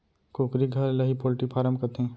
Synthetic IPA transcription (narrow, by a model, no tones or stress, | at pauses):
koːkɾiɡʱɐɾlɐɦipoːlʈipʰaːɾəmkɐt̪ɦẽː